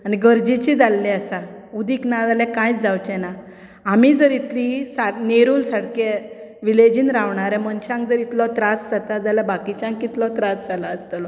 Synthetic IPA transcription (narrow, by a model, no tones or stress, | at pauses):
aniɡəɾd͡ʑit͡ɕid͡zalːɛəsa | ud̪iknad͡zalɛ̃kãjt͡sd͡zawt͡ɕɛnaː | mid͡zəɾit̪lisaneɾuːlsaɽke | ʋiled͡ʑiːnɾaʋɳaɾɛ̃məɳɕãŋkd͡zəɾit̪lɔt̪ɾasd͡zat̪ad͡zaljabakit͡ɕãŋkːit̪lɔt̪ɾasd͡zalaəst̪lɔ